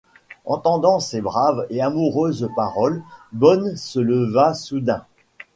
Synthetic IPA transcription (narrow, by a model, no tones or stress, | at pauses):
ɑ̰̃t̪ɑ̃d̪ɑ̃sebʁaveamuʁøzpaʁɔlbɔnsələvasud̪ɛ̃